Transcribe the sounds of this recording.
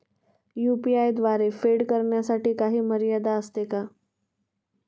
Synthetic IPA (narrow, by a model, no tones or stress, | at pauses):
jupiajd̪ʋaɾefeɽkəɾɳjasaʈiːkaɦiːməɾijad̪aəst̪eka